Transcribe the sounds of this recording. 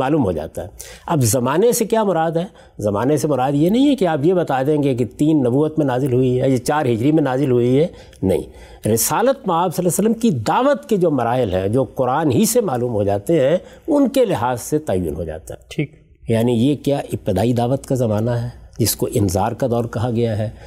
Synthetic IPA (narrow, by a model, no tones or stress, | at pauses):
maːluːmɦo̰d͡ʒa̰ːt̪aɦɛːɐbzɐmaːnesekjaːmʊɾaːd̪ɦɛː | zɐmaːnesemʊɾaːd̪jenɐɦĩɦɛkeaːpjebɐt̪aːd̪ẽːɡek̬et̪iːnːɐbuːət̪mẽnaːzɪlɦʊiɦɛjet͡ʃaːɾɦɪd͡ʒɾimẽnaːzɪlɦʊiɦɛ | nɐ̰ɦḭ̃ | ɾɪsaːlət̪mɐaːbsɐlːaːsəlːəmkid̪aːʋət̪ked͡ʒoːmɐɾaːɦɪlɦɛ̰̃d͡ʒoːqʊɾaːnɦisemaːluːmɦod͡ʒaːt̪eɦɛ̃ʊnkelɪɦaːzset̪aːjṵːnɦo̰d͡ʒa̰ːt̪a̰ɦɛiːk | jaːnijekjaːʔɪp̚t̪ɪd̪aːid̪aːʋət̪kazɐmaːnaɦɛːd͡ʒɪskoʔɪnzaːɾkad̪ɔːɾkɐɦaɡɐjaɦɛː